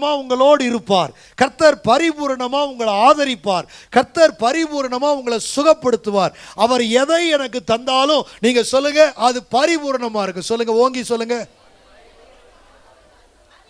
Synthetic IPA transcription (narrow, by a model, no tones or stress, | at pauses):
maːʊŋɡɐɭoːɽɪɾɯpːaːɾ | kɐɾt̪ːɐɾpɐɾɪbuːɾɐɳɐmaːʊŋɡɐɭaːðɐɾɪpːaːɾkɐɾt̪ːɐɾpɐɾɪbuːɾɐɳɐmaːʊŋɡɐɭɐsʊɣɐpːɐɽɯt̪ːɯʋaːɾɐʋɐɾɛðɐɪɛnɐkːɯt̪ːɐnd̪aːlʊ̃niːŋɡɐsɔlːɯŋɡɐʔɐðɯpɐɾɪbuːɾɐɳɐmaːɪɾɯkːɯ̃sɔlːɯŋɡɐoːŋɡisɔlːɯŋɡɐ